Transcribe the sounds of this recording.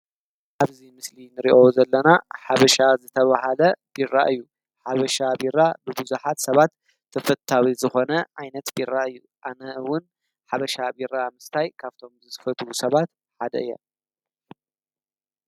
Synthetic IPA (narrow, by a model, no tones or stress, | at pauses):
ʔaβzimɨslinɨɾiʔo̞zɐlːɐnaħaβɐʃazɨt̪ʰɐβaɦalɐb̥iɾːa̰ʔɨjːu | ħaβɐʃabiɾːabɨbuzuħat̪sɐβat̪ʰː | ɐfɐt̪ʰːawizɨxo̞nɐʕajnɐt̪biɾːaɨjːu | ʔanɐɨwʊn | ħaβɐʃabiɾːamɨst̪ʰajkʰaβt̪ʰo̞mzɨt̪fɐt̪ʰwusɐβat̪ | ħad̪ɐ̰ɨjːɐ̰